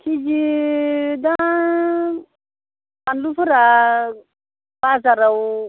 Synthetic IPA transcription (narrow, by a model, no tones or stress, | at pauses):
kʰid͡ʒi | d̪ã | anlufuɾa | bazaɾawu